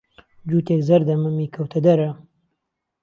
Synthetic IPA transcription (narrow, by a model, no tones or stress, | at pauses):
d͡ʒuːt̪eːkzɐɾd̪ɐmɨmiːkʰɐwt̪ʰɐd̪ɐɾɐ